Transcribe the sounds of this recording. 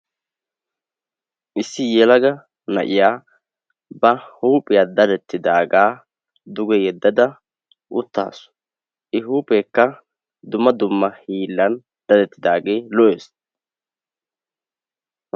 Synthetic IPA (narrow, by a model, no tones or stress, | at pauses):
ʔɪsːɪjɛlɐɡɐ | nɐʔɪjaː | bɐhuːpʼɪjad̪ɐd̪ɛt̪ːɪd̪aːɡaː | d̪ʊɡɛjɛd̪ːɐd̪ɐ | ʔʊt̪ːa̰ːsʊ̥ | ʔɪɦuːpʼekːɐ | d̪ʊmːɐd̪ʊmːɐhiːlːɐn | d̪̥ɐd̪ɛt̪ːɪd̪aːɡe̞ːlɔʔeːs